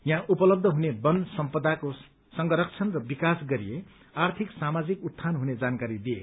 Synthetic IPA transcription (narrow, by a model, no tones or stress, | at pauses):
jãʔupʌlʌb̚d̪ʱʌɦunebʌnsʌmpʌd̪ako | sʌŋɡʌɾʌk̚t͡sʰʌnrʌbikasɡʌɾije | art̪ʰiksamad͡zikut̪ʰːanɦuned͡zankaɾid̪iḛ